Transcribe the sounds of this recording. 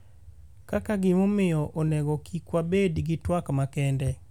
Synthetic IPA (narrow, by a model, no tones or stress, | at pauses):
kakaɡɪmomɪjɔʔonɛɡɔkʰikwabedɡɪtwakmakɛndɛ